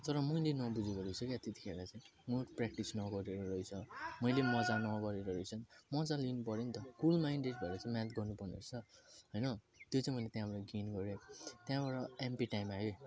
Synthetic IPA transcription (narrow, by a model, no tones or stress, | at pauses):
t̪ʌɾʌmʌjlenʌbud͡zeɡʌɾʌsʰʌkjat̪et̪i̥kʰeɾat͡saj̃moprakʈisnʌɡʌɾeɾʌɾʌjt͡sʰʌmʌjlemʌd͡zanʌɡʌɾeɾʌɾʌjt͡sʰʌnmʌd͡zalinupʌɾenit̪ʌkulmaiɳɖeʈ̚bʱaɾat͡saj̃mãt̪ɡʌrnupʌrnḛrt͡sʰʌɦʌjnʌ | t̪jot͡saj̃mʌjlet̪jãbaɾʌɡenɡʌɾjot̪jãbaɽʌempiʈajmaɦo